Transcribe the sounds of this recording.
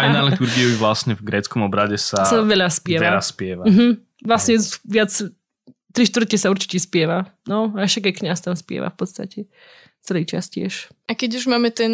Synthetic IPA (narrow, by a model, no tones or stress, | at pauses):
ajnalit̪uɾɡiɔiʋlasɲɛvɡɾɛːt͡skɔmɔbɾaɟɛsasaʋɛʎaspɪɛʋ̪aɛɾasːpɪɛʋam̩ɦm̩ | ʋlasɲɛʋɪat͡s | t̪ɾiʃt̪ʋr̩t̪̚kɛsauɾt͡ʃi̥cɛspɪɛʋanɔaʃaɡajkɲast̪amspɪɛ̰ʋa̰fpɔt̪st̪acɛ | t͡sɛliːt͡ʃa̰scɪɛ̰ʃ | akɛɟuʒmaːmɛt̪ɛn